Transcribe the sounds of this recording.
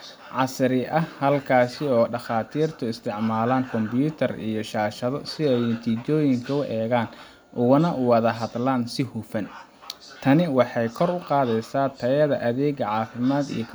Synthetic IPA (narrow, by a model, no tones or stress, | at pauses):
ʕɑsɾɪʔɐhɐlkʰaːsɪɔːɖɑχaːt̪ʰiːrt̪ʰʊɪst̪ʰɪʕmaːlaːŋkʰɔmbjuːt̪ʰɐrḭjɞʃaːʃɐðɔsɪɛjt̪ʰit͡ʃɔːjɪŋkʰɐʊʔɛːɣaːn | ʔʊɣʊnɐʔʊwɐðɐɦɐd̪laːnsɪhufɐn | t̪ʰɐnɪwɑħɑjkʰɔrʊqɑːðɛjsaːt̪ʰɐjɐðɐʔɐðɛːɣɐʕɑːfɪmaːd̪ḭjɔkʰ